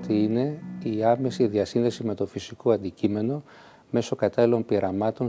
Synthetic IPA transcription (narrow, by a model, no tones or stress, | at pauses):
t̪iine̞iɐme̞siðiɐsinðe̞sime̞t̪o̞fisiko̞ɐnd̪icime̞no̞ | me̞so̞kɐt̪ɐlilo̞mpiɾʔɐmɐt̪o̞